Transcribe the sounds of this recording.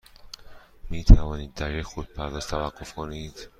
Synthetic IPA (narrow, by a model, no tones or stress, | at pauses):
miːt̪ʰævɒːniːd̪ːæɾjecxod̪̚pʰæɾd̪ɒːz̥t̪ʰævæɢːofkʰoniːd̪̥